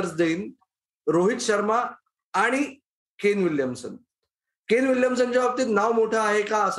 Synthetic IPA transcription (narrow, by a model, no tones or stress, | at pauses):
ɾt͡sd̪eiːn | ɾoɦit̪ɕəɾmaː | ɽ̃i | kenʋiljəmsə̰n | kenʋiljəmsənt͡ɕjaʋap̚t̪iːt̪naʋmoʈʰaːɦekaəs